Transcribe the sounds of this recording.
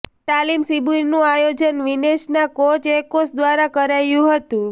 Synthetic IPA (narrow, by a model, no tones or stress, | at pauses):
t̪alimsibunũajod͡ʒənʋineʃnakot͡ʃekosd̪ʋaɾakəɾajũɦət̪ũ